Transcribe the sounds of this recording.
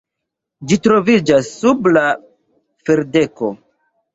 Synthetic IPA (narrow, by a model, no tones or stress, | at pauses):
d͡ʒitɾo̞vid͡ʒasːubla | feɾde̞ko̞̰